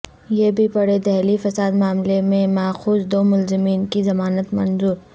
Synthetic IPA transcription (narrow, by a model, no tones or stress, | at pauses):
jeːbʱipɐɽed̪ɛɦlifɐsaːd̪maːmlemẽmaːxuːzd̪oːmʊlzɪmiːnkizɐmaːnət̪mɐnzuːɾ